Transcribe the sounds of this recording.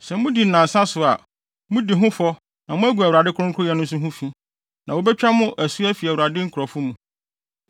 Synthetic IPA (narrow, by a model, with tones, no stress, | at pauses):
sɛ˨mũ˦di˨n̩˦nã˨sa˦sʊ˨a̰˨ | mũ˦di˨ɦʊ̃˦fɔ˦ | nã˨mʊ̃˦æ˦ɡu˨æ˨wɾa˨dɪ˦kʰʊ˦ʊ̃˦ŋ˦kʰʊ˦jɛ˨nʊ̃˦n˦s̬ʊ˦ɦʊ̃˦fi˦ | nã˨wo˦bɛ˦t͡ɕᶣa˦mʊ̃˦ʔæ˨su˦æ˦fi˨æ˨u˨ɾa˨dɪ˦ŋ̩˦kʰʊ˨ɾɔ˨fʊ˦mũ˨